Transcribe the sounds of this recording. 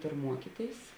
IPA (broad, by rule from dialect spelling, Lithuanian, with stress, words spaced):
ˈtʊr ˈmuɔkʲiːˌtʲeːɪs